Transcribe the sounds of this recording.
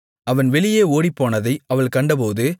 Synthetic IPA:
ɐʋɐnʋɛɭɪjeːoːɽipːoːnɐðɐɪɐʋɐɭkɐɳɖɐp̬oːðɯ

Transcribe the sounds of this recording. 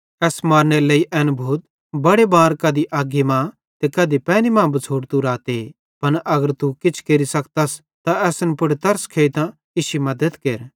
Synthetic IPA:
ɛːsmaːɾneleːiʔɛːnbʱuːt̪̚ | bɐɽebaːɾkaːd̪iʔaːɡemã | t̪ekɐːd̪ipɛːnimãːbɐt͡sʰoːɽt̪uɾaːt̪e | pɐnʔɐɡəɾt̪ukɪt͡ʃʰkeɾisɐkt̪as | t̪aɛːsnpʊɽet̪ɐɾskʰeːit̪ã | ɪʃimɐd̪ət̪keːɾ

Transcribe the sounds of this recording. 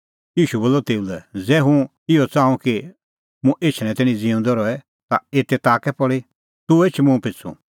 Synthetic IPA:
jiːʃuboːlːɔt̪eːulɛd͡zɛːɦũ | ɪɔt͡sãːũki | mũʔeːt͡ʃʰɽ̃ɛ̃t̪ɛːɽ̃ĩd͡zĩũnd̪ɔɾɔɛ | t̪aeːt̪ɛt̪aːkɛpɔɽi | t̪ueːt͡ʃʰmũpʰɪt͡sʰṵ̃

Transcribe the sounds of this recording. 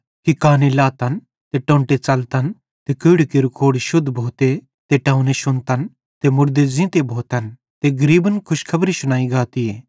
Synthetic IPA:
kikaːnelaːt̪ɐn | t̪eʈõːɳʈet͡sɐlt̪ɐn | t̪ekʊːɽkeɾʊkʰoːɽiʃʊd̪ʱbʱoːt̪e | t̪eʈãːʊneʃʊnt̪ɐn | t̪emʊɾd̪ezɪ̃ːt̪ebʱoːt̪ɐn | t̪eɡɐɾiːbənkʰʊʃkʰɐbɾisʊnaːiɡaːt̪ieː

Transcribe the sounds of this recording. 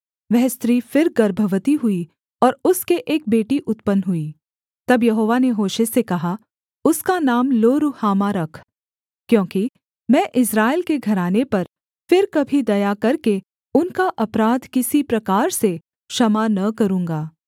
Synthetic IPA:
ʋɛɦst̪ɾiːfɪɾɡɐɾbʱəʋət̪iɦʊi | ɔːɾʊskeʔeːk̚beːʈiʔʊt̪pənɦʊi | t̪ɐbjɐɦoːʋaneɦoːʃesekɐɦa | ʊskanaːmloːɾuhaːmaɾɐkʰ | kjõːki | mɛ̃ːʔɪsɾaːɪlkeɡʱɐɾaːnepɐɾ | fɪɾkɐbʱid̪ɐjakɐɾke | ʊnkaʔɐpɾaːd̪kɪsipɾɐkaːɾse | ʃɐmanɐkɐɾũːŋɡaː

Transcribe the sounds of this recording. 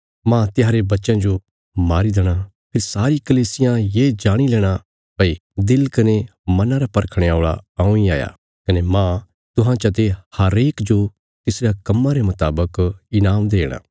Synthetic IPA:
mãt̪ɪjaːɾebɐtːʃãd͡ʒo | maːɾid̪eɽ̃a | pʰɪɾsaːɾikɐliːsɪjãjeːd͡ʒaːɽ̃ilɛːɽ̃a | bɐid̪ɪlkɐnemɐnãɾapɐɾkʰɽ̃eoːɭa̰aːũia̰ːja̰ː | kɐnemã | t̪ʊɦãt͡ʃɐt̪ehɐɾeːkd͡ʒo | t̪ɪsɾakɐmːaɾemʊt̪aːbəkɪnaːmd̪eːɽ̃a̰ː

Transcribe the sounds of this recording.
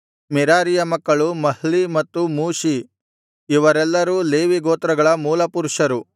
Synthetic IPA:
mɛɾaːɾijɐmɐkːɐɭumɐɦɭimɐt̪ːumuːʃi | iʋɐɾɛlːɐɾuːleːʋiɡoːt̪ɾɐɡɐɭɐmuːlɐpuɾuʂɐɾu

